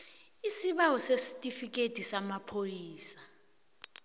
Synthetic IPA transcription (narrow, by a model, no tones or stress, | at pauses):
isiɓawɔsesi̥tʼifik̬ʼetʼisamapʰojiːsa